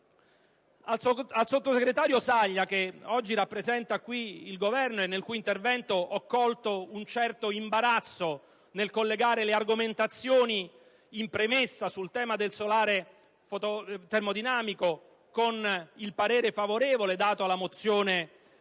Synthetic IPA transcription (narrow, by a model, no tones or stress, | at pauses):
alsot̪ːoseɡɾet̪aːɾjosaʎːakeɔd͡ʒːiɾapːɾezɛnt̪akwiilɡovɛrnoenːelkuːint̪ervɛnt̪oʔɔkːɔlt̪ount͡ʃɛrt̪oimbaɾat̪sːo | nelkolːeɡaːɾelearɡoment̪at̪sːjoːni | impɾemesːasult̪ɛːmad̪elsolaːɾe | fot̪ot̪ermod̪inaːmiko | konilpaɾeːɾefavoɾeːvoled̪aːt̪oalːamot̪sːjoːne